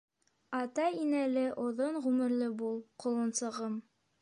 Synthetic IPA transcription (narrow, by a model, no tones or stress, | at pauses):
ɑt̪ɑinælɘʔŏðɤɴʁʉmɘ̆ɾlɘbulˠqŏlˠɤ̆nsɤ̆ʁɤm